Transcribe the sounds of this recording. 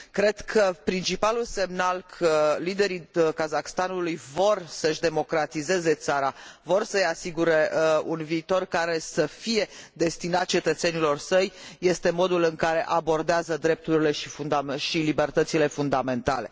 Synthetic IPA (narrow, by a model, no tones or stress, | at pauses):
kɾe̞d̪kʰəpɾint͡ʃipalulse̞mnalkʰəlid̪e̞ɾikazakst̪anulujvo̞rsəʃd̪e̞mo̞kɾat̪ize̞ze̞t̪saɾavo̞rsəjasiɡuɾe̞unviːt̪o̞rkaɾe̞səfije̞d̪e̞st̪inat̪̚t͡ʃe̞t̪ət̪se̞nilo̞rsəjːe̞st̪e̞mo̞d̪ulɨŋkaɾe̞ʔabo̞rd̪eazəd̪ɾe̞p̚t̪uɾile̞ʃifund̪amʃilibe̞rt̪ət̪sile̞fund̪ame̞nt̪a̰le̞̰